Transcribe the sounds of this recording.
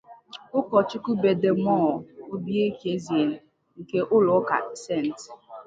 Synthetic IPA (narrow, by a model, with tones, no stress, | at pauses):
ʊ˦kɔ˨t͡ʃʊ˦ku˦be˨de˨mɔ˦˨o˦bi˦e˦ke˦zi˨e˨n̩˨ | ŋ̩˨ke˦ʔʊ˦lʊ˨˦ka̰˨se˦˨n˨t